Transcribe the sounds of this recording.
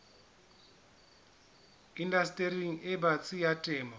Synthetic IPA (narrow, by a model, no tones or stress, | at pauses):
indastʼeɾiŋ̩ɪbat͡sʼijatʼɛːmɔ